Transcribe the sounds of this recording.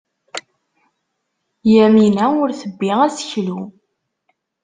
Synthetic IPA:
jæminæʊɾθəbːiʁæsə̥çlu

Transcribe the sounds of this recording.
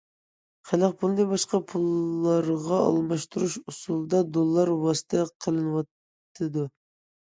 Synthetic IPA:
χʰælæq̚pʰulˠnɨbɑʃqɑpʰulˠːɑɾʁɑɑ̰lˠmɑʃt̪ʰuɾuʃusulˠd̪ɑd̪olˠːɑɾwɑsɨ̥t̪ʰəqʰəlˠɨnɨwɑt̪ː | ɨd̪u

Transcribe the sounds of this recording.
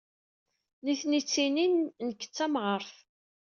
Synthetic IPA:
niθnit͡sːininnəkːə̥t͡sːæmʁəɾˤθ

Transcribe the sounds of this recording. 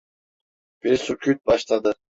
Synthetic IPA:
b̥iɾsukʲʰyt̪̚bɑʃlˠɑd̪ɯ

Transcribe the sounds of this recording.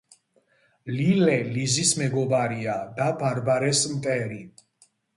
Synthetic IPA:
lilɛlizismɛɡɔbaɾiad̪abaɾbaɾɛsmt̪ʼɛɾi

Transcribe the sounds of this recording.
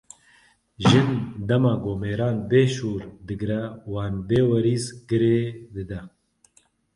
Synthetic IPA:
ʒɨnd̪ɛmɑːɡoːmeːɾaːnbeːʃuːɾd̪ɨɡɾɛwaːnbeːwɐɾiːzɡɨɾeːd̪ɨd̪ɛ

